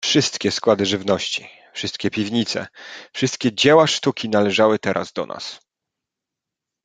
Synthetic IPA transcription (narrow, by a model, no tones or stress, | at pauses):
fʂɘst̪kʲɛskwad̪ɘʐɘvnɔɕt͡ɕi | fʂɘst̪̚kʲɛpʲivɲit̪sɛ̰fʂɘst̪̚kʲɛd͡ʑɛwaʂt̪ukʲinalɛʐawɘt̪ɛɾʔa̰zd̪ɔ̰nʔa̰s